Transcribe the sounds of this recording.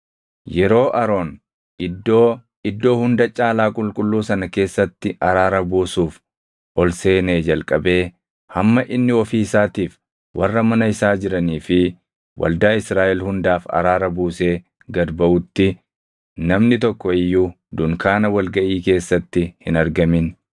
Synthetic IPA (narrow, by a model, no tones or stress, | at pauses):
jɛɾo̞ːʔɐɾo̞ːn | ɪd̪oː | ɪd̪ːo̞ːhʊnd̪ɐt͡ʃʼaːlaːkʼʊlkʼʊlːuːsɐnɐke̞ːsːɐt̪ːɪɐɾaːɾɐbuːsuːf | ʔɔlse̞ːneːd͡ʒɐlkʼɐbe̞ː | hɐmːɐʔɪnːɪɔfiːɪsaːt̪iːf | wʔɐrːɐmɐnɐɪsaːd͡ʒɪɾɐniːfɪ | wʔɐ̰ld̪aːɪsɾaːʔɛlhʊnd̪aːfɐ̰ɾaːɾɐbuːse̞ː | ɡɐd̪bɐʔʊt̪ːɪ | nɐmnɪt̪ɔkːɔɪjːuː | d̪ʊŋkʰaːnɐwɐlɡɐʔiːke̞ːsːɐt̪ːɪhɪnɐɾɡɐmɪn